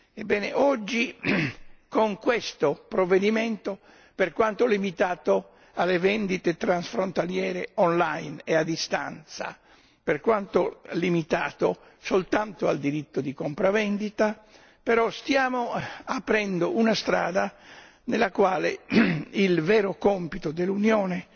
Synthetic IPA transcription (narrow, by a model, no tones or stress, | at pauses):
ebːɛːneʔɔd͡ʒːi | koŋkwest̪opɾovːed̪iment̪o | perkwant̪olimit̪aːt̪o | alːevɛnd̪it̪et̪ɾansfɾont̪aljɛːɾeɔnlajnead̪ːist̪a̰nt̪sa̰ | perkwant̪olimit̪aːt̪o | solt̪ant̪oald̪iɾit̪ːod̪ikompɾavɛnd̪it̪a | peɾɔst̪jaːmoapɾɛnd̪oʔunast̪ɾa̰ːd̪a | nelːakwaːlḛilvɛːɾokompit̪od̪elːunjoːne